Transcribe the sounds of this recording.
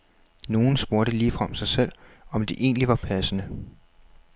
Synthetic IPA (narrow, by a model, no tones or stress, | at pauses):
no̝ːn̩sb̥o̝ɐd̥əliːfʁɑmsɑ̈ɪsel̰ɒ̽md̥e̝ʔe̝̰ːnliʋɑ̈pʰæsənə